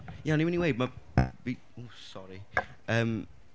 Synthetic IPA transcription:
jaɔniɛniwej̚mavi | osɔɾi | əːm

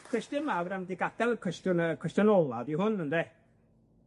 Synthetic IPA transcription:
kʰɛstɨmawɾamdɪɡad̥ɛlˠəkʰwɛstʊnkʰwɛstʊnɔlˠaðihʊnənde

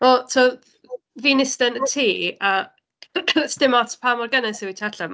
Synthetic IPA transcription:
ɔtʰɔ | viːnɪstənətʰiːa | sdɪmɔtʰpʰamɔrɡənɛsiwitʰaɬam

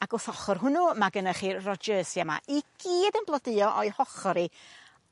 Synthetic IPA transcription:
aɡ̥ʊθɔχɔrɦʊnumaɡənaχiːrɔd͡ʒəːsjama̰ʔiɡ̥iːdənblˠədɨɔʔɔɨhɔχɔɾi

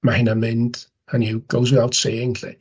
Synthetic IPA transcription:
mahɪnamɪnd̥ | aniwɡ̥owzwɪawtseːɪnɬḭ

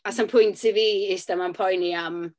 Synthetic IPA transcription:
asɔmpʰʊjntʰiviːɪsd̥amanpʰɔjniam

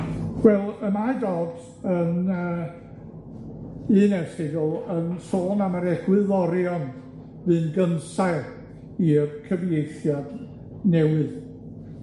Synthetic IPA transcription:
wɛlˠəmajdoːd | ənəː | ɨːnɛsɪɡɔlənsoːnamaɾɛɡ̥wɨðɔɾjɔn | vɨːnɡənsaɨ | irkʰəvjejθjad | nɛwɨð

